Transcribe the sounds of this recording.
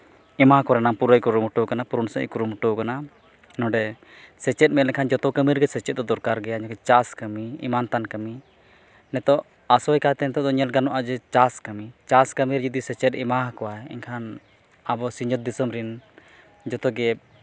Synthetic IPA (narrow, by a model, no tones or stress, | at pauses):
ɛmakɔɾɛnaŋpuɾajkɔɾumuʈɔkanapuɾunsɛ̰ʔkuɾumɔʈɔkana | nɔ̃ɖɛ | sɛt͡ʃɛt̪̚ˀmɛt̪lɛɲkʰand͡ʒɔt̪ɔkəmiɾɡɛsɛt͡ʃɛt̪̚d̪ɔd̪ɔɾkaɾɡɛaɲɔkɛt͡ʃaskəmiḭmant̪ankəmi | nɛt̪ɔʔ | asɔjkat̪ɛnɛt̪ɔʔd̪ɔɲɛlɡanɔʔad͡ʒɛt͡ʃaskəmit͡ʃaskəmiɾd͡ʒɔd̪isɛt͡ʃɛt̪ɛmaɦkɔwaɛɛ̰ɲkʰan | abɔsiɲd͡ʒɔt̪̚d̪isɔmɾin | d͡ʒɔt̪ɔɡɛ